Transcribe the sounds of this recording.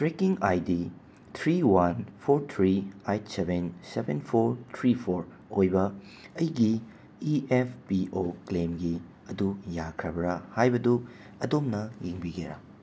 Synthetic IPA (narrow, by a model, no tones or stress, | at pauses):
tɾekiŋajdi | tʰɾiwanpʰoɾtʰɾiajtsebensebenpʰoɾtʰɾipʰoɾ | ojbɐ | ɐjɡi | iepʰpiʔoklemɡi | ɐdujakʰɾɐbɾɐhajbɐdu | ɐdomnɐjiŋbiɡeɾa̰